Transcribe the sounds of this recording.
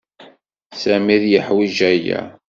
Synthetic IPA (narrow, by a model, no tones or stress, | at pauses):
sæmiðjəħwiʒæjæ̰